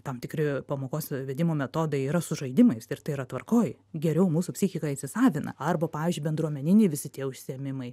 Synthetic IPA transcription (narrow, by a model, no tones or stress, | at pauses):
t̪ɐmt̪ʲɪkɾʲɪpɐmoːkoːsʋʲɛd̪ʲɪmoːmʲɛt̪oːd̪ɐɪiːɾɐsʊʒɐɪd̪ʲɪmɐɪsɪrt̪ɐɪiɾɐt̪ʋɐrkoːj | ɡʲɛɾʲɛʊmuːsupʲsʲɪxʲɪkɐit̪ʲsʲɪsɑːʋʲɪnɐ̰ɐrbɐpɑːʋʲiːzʲd͡ʒʊɪbʲɛnd̪ɾuɔmʲɛnʲɪnʲɛɪʋʲɪsʲɪt̪ʲiɛʊʃʲsʲɪɛmʲɪmɐɪ